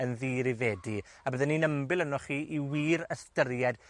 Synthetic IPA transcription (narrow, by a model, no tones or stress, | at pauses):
ənðiːɾivɛdi | abəðɛninəmbɪlˠənɔχiːʔiwiːɾəstəɾjɛd